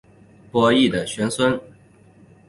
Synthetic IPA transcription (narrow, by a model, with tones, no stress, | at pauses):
pwɔ˧˥i˥˩d̪ə˩ɕɥɛ˧˥nswə˥n